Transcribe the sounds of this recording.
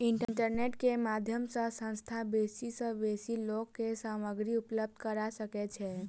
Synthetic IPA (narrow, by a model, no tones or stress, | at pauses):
iɳʈɳʈəɾneʈkemad̪ʱjəmsə̃sə̃nst̪ʰabesisə̃besilokːesaməɡɾiupləbd̪ʱkəɾasəkɛt͡ʃʰɛ